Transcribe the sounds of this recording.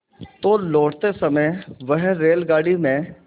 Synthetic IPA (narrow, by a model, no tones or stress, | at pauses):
t̪oːlɔːʈt̪esəməjʋəɦɾeːlɡaːɽimẽː